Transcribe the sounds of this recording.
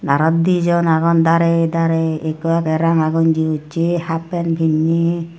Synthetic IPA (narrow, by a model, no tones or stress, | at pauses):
naɾɔd̪id͡ʒɔnaɡɔnd̪aɾed̪aɾeekuakɛɾaŋaɡɔnd͡ʒiut͡ʃehapɛnbʰʱinːi